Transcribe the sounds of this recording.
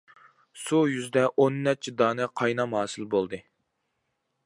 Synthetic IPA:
sujyzd̪ɛʔonːɛt͡ʃʰɛd̪ɑːnɛqʰɑjnɑmɦɑːsɨlbolˠd̪ɨ

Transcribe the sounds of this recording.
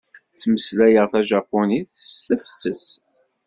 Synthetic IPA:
t͡sːməslæjəʁθæʒɑpːoniθtəfsəs

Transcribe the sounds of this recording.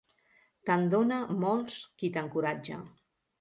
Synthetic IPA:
t̪and̪onəmɔlˠskit̪əŋkuɾad͡ʒə̰

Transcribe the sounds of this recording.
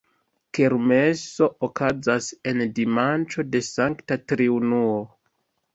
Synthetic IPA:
keɾme̞so̞ʔokazase̞ndimant͡ʃo̞de̞saŋktatɾiunuo

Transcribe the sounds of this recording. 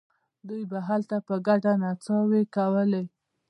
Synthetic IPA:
d̪ujbaɦalt̪apəɡaɖanat͡sɑwekawəle

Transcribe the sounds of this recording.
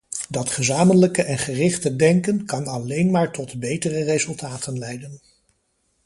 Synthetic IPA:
dɑtχəzaːmənləkəʔɛnχərɪχtədɛŋkənkɑnɑlejnmaːɹtɔtbejtərərezɵlˠtaːtənlɛjdən

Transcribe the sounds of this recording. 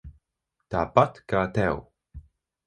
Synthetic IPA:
t̪ʰapat̪kaːt̪ʰɛw

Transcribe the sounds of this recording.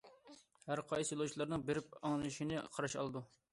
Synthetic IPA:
hæɾqʰɑjsɨjolˠowt͡ʃʰilˠɑɾnɨŋbeɾɪp̚ɑŋlˠɨʃinɨqʰɑɾɑʃɑ̰lˠɨd̪u

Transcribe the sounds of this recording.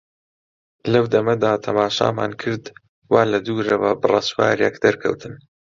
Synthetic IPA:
lɐwd̪ɐmɐd̪aːt̪ʰɐmaːʃa̰ːma̰ːnkʰɨɾd̪ | waːlɐd̪uːɾɐwɐbɨrˤɑswa̰ːɾjɛkd̪ɐɾkʰɐ̰wt̪ʰɨn

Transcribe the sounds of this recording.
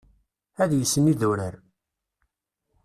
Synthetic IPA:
æðjəsːənːiðuɾəɾ

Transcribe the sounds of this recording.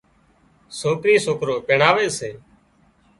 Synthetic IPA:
soːkɾiːsoːkɾoːpeːɳaːʋeːseː

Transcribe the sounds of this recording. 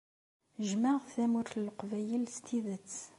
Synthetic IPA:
ʒmæʁθæmʊɾəlqvæjəlst̪ʰiðət͡sː

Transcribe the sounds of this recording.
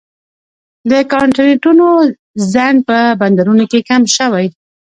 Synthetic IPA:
d̪əkɑɳʈɪneʈuno | zan̚pəband̪aɾunokekamʃəwaj

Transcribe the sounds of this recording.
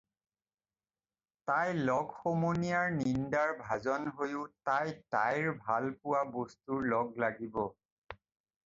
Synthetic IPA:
tajlɔɡxomonijaɹnindaɹbʱazɔnɦojʊtajta̰jɹbʱalpʊwabostuɹlɔɡlaɡibɔ

